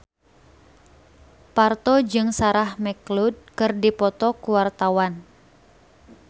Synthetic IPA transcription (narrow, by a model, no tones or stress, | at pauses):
part̪ɔd͡ʒɨŋsaɾahmɛklud̚kɨrdipɔt̪ɔkuwart̪awan